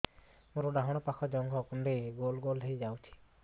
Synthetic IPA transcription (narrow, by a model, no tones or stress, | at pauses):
moɾɔɖaɦɔɽ̃ɔpakʰɔd͡ʒɔŋɡʰʱɔkunɖeɡolɡolɦejd͡ʒawt͡ʃʰi̥